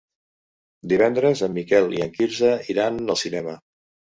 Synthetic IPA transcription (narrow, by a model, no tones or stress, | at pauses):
d̪iβɛnd̪ɾəzəmːikɛlˠḭə̰ŋkiɾzəiɾanəlˠsinɛmə